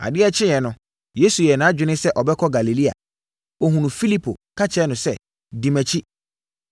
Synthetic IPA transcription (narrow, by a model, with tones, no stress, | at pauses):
a̰˨dɪ˦ɛ˦t͡ɕʰɪ̃˦jɛ˨nʊ̃˨ | je˦su˨jɛ˨nãː˨˦d͡ʑᶣɪ˨˦nɪ̃˦sɛ˦ʔɔ˨bɛ˦kʰɔ˦ɡa˨li˨li˦a̰˨ | ɔ˨ɦũ˨nũ˨fi˦li˦pʰo˨kʰa˦t͡ɕʰɛ˦nʊ̃˨sɛ˦ | di˨mɛ̃˨t͡ɕʰi˦